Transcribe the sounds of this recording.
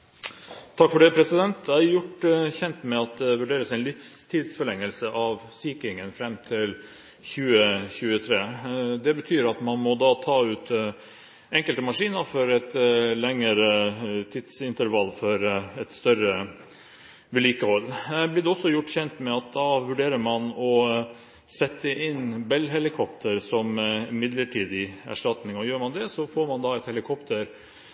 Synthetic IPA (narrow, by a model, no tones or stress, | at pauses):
t̪ʰɑkfɔɖɛpʰɾɛsɪd̪ɛnt̪̚d̪ææjʊʈçɛnt̪mɛɑt̪̚d̪ɛʋʉɖeːɾəsæɛɪnlɪfst̪ʰiːd̪sfɔɭɛŋːəlsəʔɑʋsiːkɾɪŋənfɾɛmt̪ʰɪl | çʉːəçʉːət̪ʰɾeːd̪ɛbət̪ʰyːɾɑt̪mɑnmɔd̪ɑːt̪ʰɑːʉːt̪ | ɛŋkəlt̪əmɑʂiːnəɾfɔɾɛt̪lɛŋəɾət̪ʰɪd̪sɪnt̪əɾʋɑlːfɔɾɛt̪st̪œɾə | ʋɪliːkəhɔlːblɪɖɛɔsːɔjʊʈːçɛnt̪mɛɑt̪̚d̪ɑːʋʉɖeːɾəɾmɑnɔ | sɛt̪ʰːəʔɪnbɛlːɦɛlɪkʰɔpt̪ʰəɾsɔmɪmɪd̪ləʈʰiːd̪ɪæ̰ʂʈɑt̪nɪŋɔjøːɾmɑnd̪ɛsɔfoːɾmɑnd̪ɑːɛt̪hɛlɪkʰɔpt̪ʰəɾ